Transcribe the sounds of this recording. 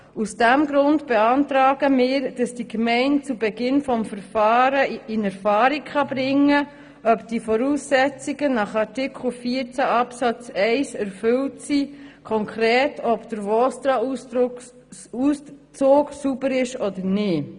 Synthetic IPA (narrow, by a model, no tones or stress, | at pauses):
usd̥æmɡɾʊndb̥ɛɑntɾɑːɡ̥əmɪːɾd̥ɑsd̥ikmɛɪnt̚t͡subɛɡɪnfɔmfəɾfɑːɾəɪnɛɾfɑːɾikχɑbɾɪŋːə | œpd̥ifɔɾuːsːɛt͡siɡ̥ənɑχɑɾtɪkχl̩fiːəɾt͡sæʔɑpsɑt͡sɛɪsɛɾfʏltsikʰɔŋkɾɛːtʰɔbd̥̪əɾvɔstɑ | ust͡soːɡsubəɾɪʃɔdəɾnɪː